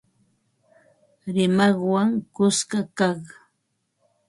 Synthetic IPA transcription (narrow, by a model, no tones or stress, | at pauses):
ɾɪmɑχwaŋkʊskakɑχ